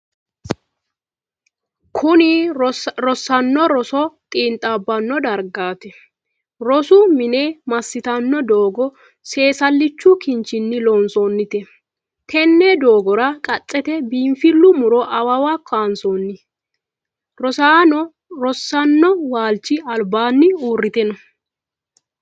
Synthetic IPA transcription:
kʰʊnɪɾɔsɐnːɔɾɔsɔt̪ʼiːnt̪ʼːabːɐnːɔd̪ɐɾɡaːt̪ɛ | ɾɔsʊmɪneːmɐsːɪt̪ɐnːɔd̪oːɡɔ | se̞ːsɐlːɪt͡ʃːʊkɪnt͡ʃːɪnːɪloːnsɔnːɪt̪ɛ | t̪ʰɛnːɛd̪oːɡɔɾɐkʼɐt͡sʼːɛt̪ɛbiːɱfɪlːʊmʊɾɔʔɐwɐwakːaːnsonːɪ | ɾɔsaːnɔ | ɾɔsːɐnːɔwaːlt͡ʃːɪɐlbaːnːɪuːrːɪt̪ɛnɔ

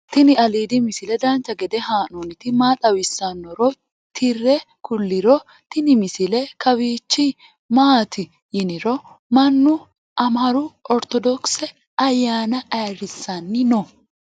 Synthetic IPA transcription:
t̪ɪnɪɐliːd̪ɪmɪsɪlɛd̪ɐnt͡ʃːɐɡɛd̪ɛhaːnonɪt̪ɪmaːt̪ʼɐwɪsːɐnːɔɾɔ | t̪ʰɪrːɛ | kʊlːɪɾɔ | t̪ɪnɪmɪsɪlɛkɐwiːt͡ʃːɪ | maːt̪ɪ | jɪnɪɾɔ | mɐnːʊ | ʔɐmɐɾʊɔɾt̪ɔd̪ɔksɛ | ɐjːaːnɐʔɐjɾɪsːɐnːɪnɔ

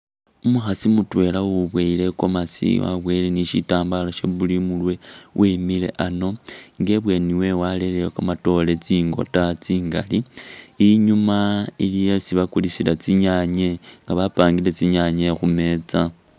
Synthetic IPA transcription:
umuxasimutwe̞lawuβweile̞ko̞masḭwa̰βweleniʃitaːmbalaʃe̞̰βulimulwewʔemile̞̰ʔano̞ŋɡe̞βwe̞niwe̞wale̞lejokamato̞le̞t͡siːŋɡo̞̰tat͡siːŋɡa̰liiɲumailijosiβakulisilat͡siɲaɲeŋɡaβapaːŋɡile̞t͡siɲaɲexume̞t͡sa

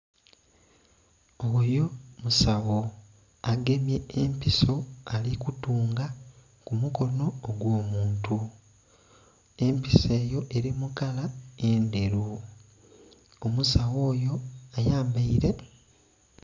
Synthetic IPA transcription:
ojo̞musawo̞ | aɡe̞mje̞ːmpiso̞alikutuːŋɡa | kumuko̞no̞ːɡwo̞ːmuːntu | e̞mpise̞ːjo̞ʔe̞ɾimukalae̞nde̞ɾu | omusawo̞ːjo̞ajaːmbaiɾe̞

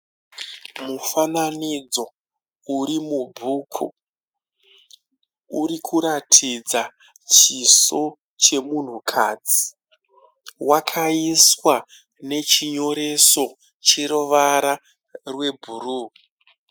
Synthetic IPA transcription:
mufananid͡zo̞ | uɾimubʱuːkʰṵ | uɾikʰuɾatʰid͡za | t͡ʃiso̞ | t͡ʃe̞mun̤ukʰaːd͡zi̥ | wakʰaiswa | ne̞t͡ʃiɲo̞ɾe̞so̞ | t͡ʃeɾoʋaɾa | rwe̞bʱuruː

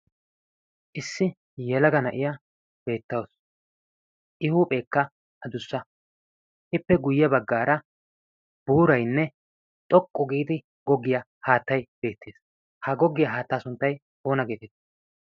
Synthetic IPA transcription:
ʔɪsːɪ | jɛlɐɡɐnɐʔɪja | b̥e̞ːt̪ːɐws | ʔɪhuːpʼe̞ːkːɐ | ʔɐd̪ʊsːɐ | ʔɪpːɛɡʊjːɐbɐɡːaːɾɐ | b̥uːɾɐjnːɛ | t̪ʼɔkʼːʊɡiːd̪ɪ | ɡ̥ɔɡːɪjɐ | haːt̪ːɐjb̥e̞ːt̪ʰːeːs | hɐɡɔɡːɪjɐɦaːt̪ːaːsʊnt̪ːɐj | ʔo̞ːnɐɡe̞ːt̪ɛt̪ː

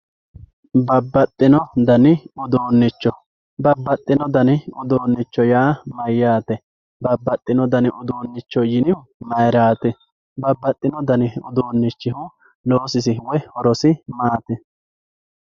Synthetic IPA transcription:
bɐbːɐt̪ʼːɪnɔd̪ɐnɪʊd̪oːnːɪt͡ʃːɔ | bɐbːɐt̪ʼːɪnɔd̪ɐnɪʊd̪oːnːɪt͡ʃːɔjaːmɐjːaːt̪ɛ | bɐbːɐt̪ʼːɪnɔd̪ɐnɪʔʊd̪oːnːɪt͡ʃːɔjɪnɪmɐjɾaːt̪ɛ | bɐbːɐt̪ʼːɪnɔd̪ɐnɪʊ̰d̪oːnːɪt͡ʃːɪhʊ | lo̞ːsɪs̬ɪwɛhɔɾɔsɪmaːt̪ɛ

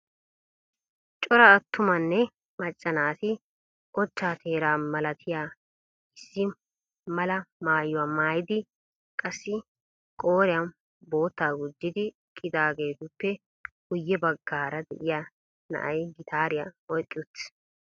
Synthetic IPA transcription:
t͡ʃʼɔɾɐːt̪ːʊmɐnːɛ | mɐt͡ʃʼːɐnaːt̪ɪ | ʔɔt͡ʃːaːt̪ʰe̞ːɾaːmɐlɐt̪ʰɪjaː | ɪsːɪ | mɐlɐmaːjːʊwamaːjɪd̪ɪ | kʼɐsːɪ | kʼo̞ːɾɪjan | bo̞ːt̪ːaːɡʊd͡ʒːɪd̪ɪ | kʼɪd̪aːɡe̞ːt̪ʊpːɛ | ɡʊjːɛbɐɡːaːɾɐd̪ɛ̰ʔɪja | nɐ̰ʔɐjɡɪt̪ʰaːɾɪjaɔjkʼːɪʊt̪ː

